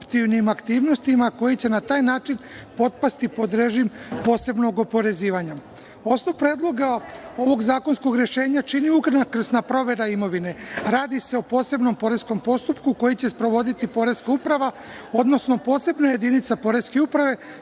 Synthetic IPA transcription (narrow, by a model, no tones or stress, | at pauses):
pt̪iʋnimakt̪iːʋno̞st̪imako̞jit͡ɕe̞nat̪aːjnaːt͡ʃinpo̞t̪̚past̪ipo̞d̪ɾe̞ʒimpo̞ːse̞bno̞ɡo̞po̞ɾe̞ziːʋaɲa | o̞snoʋupɾeːd̪lˠo̞ɡao̞ʋo̞ɡzaːko̞nsko̞ɡɾje̞ʃe̞ːɲat͡ʃiniukr̩nakr̩snapɾo̞ʋe̞ɾaimo̞ʋine̞ɾaːd̪ise̞opo̞ːse̞bno̞mpo̞ɾe̞sko̞mpo̞st̪upkuko̞jit͡ɕe̞spɾo̞ʋo̞d̪it̪ipo̞ɾe̞zkaupɾaʋa | o̞d̪no̞sno̞po̞ːse̞bnaje̞d̪init̪sapo̞ɾe̞zke̞upɾaʋe̞